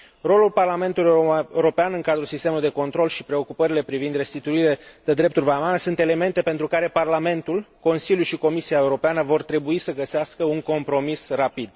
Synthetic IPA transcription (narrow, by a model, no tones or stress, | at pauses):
ro̞lulparlame̞nt̪uleɾo̞peanɨŋkad̪ɾusist̪e̞muluijd̪eko̞nt̪ɾo̞lʃipɾe̞o̞kupəɾile̞pɾivind̪rest̪it̪uile̞d̪̥ed̪ɾe̞p̚t̪urʲvamanəsunt̪e̞le̞me̞nt̪e̞pe̞nt̪ɾukaɾe̞parlame̞nt̪ulko̞nsilʲjulʃiko̞misiaeuɾo̞peanəvo̞rt̪ɾe̞buisəɡəseaskəuŋko̞mpɾo̞misrapid̪